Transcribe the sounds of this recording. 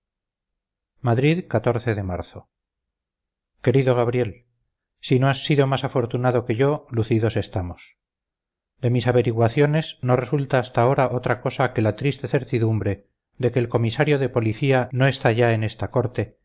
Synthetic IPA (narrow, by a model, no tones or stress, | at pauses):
maðɾiðkat̪o̞ɾθe̞ðe̞maɾθo̞ | ke̞ɾiðo̞ɣ̞aβ̞ɾje̞l | sinoasːiðo̞masafo̞ɾt̪unaðo̞ke̞ʝo̞luθiðo̞se̞st̪amos | d̪e̞misaβe̞ɾiɣwaθjo̞nesno̞re̞sult̪aːst̪ao̞ɾaʔo̞t̪ɾako̞sake̞lat̪ɾist̪e̞θe̞ɾt̪iðumbɾe̞ | ðe̞ke̞ːlko̞misaɾjo̞ðe̞po̞liθiano̞e̞st̪aʝae̞ne̞st̪ako̞ɾt̪e̞